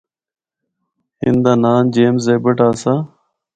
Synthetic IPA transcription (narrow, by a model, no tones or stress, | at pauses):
hɪ̰nd̪aːnaːnd͡ʒeːmseːbəʈaːsaː